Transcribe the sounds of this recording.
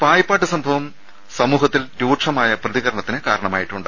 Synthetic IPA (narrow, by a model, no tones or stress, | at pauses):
paːjɐpːaːʈːɨsɐmbʱɐʋɐm | sɐmuːɦɐt̪ːilɾuːʈʂɐmaːjɐprɐðiɣɐɾɐɳɐt̪ːinɨkaːɾɐɳɐmaːjiʈːuɳɖ